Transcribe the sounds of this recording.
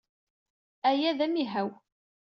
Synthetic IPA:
æjæðæmiɦæw

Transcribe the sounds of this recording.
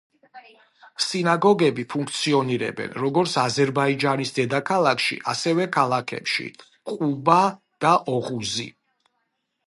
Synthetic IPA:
sinaɡɔɡɛbipʰuŋkʰt̪sʰiɔniɾɛ̰bɛ̰nɾɔɡɔɾt̪sʰazɛɾbaid͡ʒanisd̪ɛd̪akʰalˠakʰʃḭʔa̰sɛvɛkʰalˠakʰɛ̰pʃḭ | qʼuba | d̪̥aʔɔʁuzḭ

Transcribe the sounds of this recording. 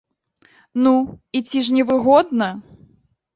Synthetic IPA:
nuit͡sʲiʂnʲɛvɨɣɔd̪nɐ

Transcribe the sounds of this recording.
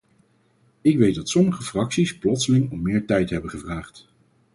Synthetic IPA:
ɪkʋejt̚dɑtsɔməχəfrɑksisplɔtsəlɪŋɔmːɪːɹtɛjtɦɛbəχəvraːχt

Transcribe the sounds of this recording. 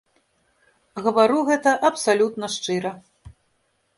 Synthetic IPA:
ɣɐvaɾuɣɛt̪ɐʔɐpsalʲut̪nɐʂt͡ʂɨɾɐ

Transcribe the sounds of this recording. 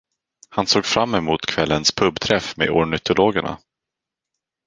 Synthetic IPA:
hansoːɡfɾamːɛmuːt̪kʰvɛlːənspʰɵbːt̪ʰɾɛfmḛːɔɳʏt̪ʰʊloːɡəɳa̰

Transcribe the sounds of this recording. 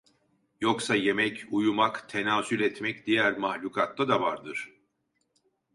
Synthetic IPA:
joksaje̞mɛcujumakt̪ʰe̞naːsylʲɛt̪mɛcd̪ijæɾmahlʲuːkʰat̪ːˠad̪avaɾd̪ɯɾ̥

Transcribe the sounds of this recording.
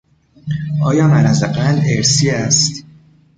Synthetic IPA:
ʔɒːjɒːmænæzæqæleɾsiːæst̪

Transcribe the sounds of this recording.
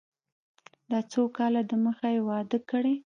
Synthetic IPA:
d̪ɑt͡sokɑlad̪əməxajwɑd̪əkəɽe

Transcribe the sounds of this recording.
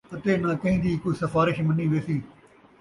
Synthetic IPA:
ɐt̪eːnakɐɦĩːd̪iːkʊisɐfaːɾɪʃmɐniːʋeːsiː

